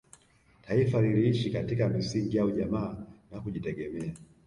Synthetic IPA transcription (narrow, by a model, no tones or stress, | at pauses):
taifaliliiʃikatikamisiŋɡijauʄamaːnakuʄitɛɠɛmɛa